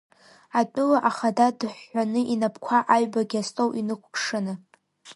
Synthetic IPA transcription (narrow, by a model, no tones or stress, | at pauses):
atʼʊlaʔaχadadɨħːʷanɨʔinapʰkʷʰaʔaɥbaɡʲastʼowʔinɨkʷʰpʰʂɨnɨ